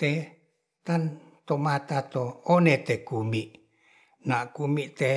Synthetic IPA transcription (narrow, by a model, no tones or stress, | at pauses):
t̪e | t̪an | t̪omat̪at̪oonet̪ekumiʔ | naʔkumiʔt̪e